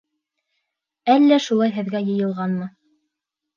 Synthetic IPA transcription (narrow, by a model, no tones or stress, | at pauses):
ælːæʃulˠɑjɦɘ̆ðɡæjɤ̆jɤ̆lˠʁɑnmɤ